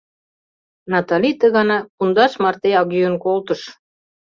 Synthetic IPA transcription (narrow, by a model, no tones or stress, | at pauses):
nɑt̪ɑlʲit̪əɣɑnɑkund̪ɑʃmɑrt̪eɑɣyjənkolt̪ə̆ʃ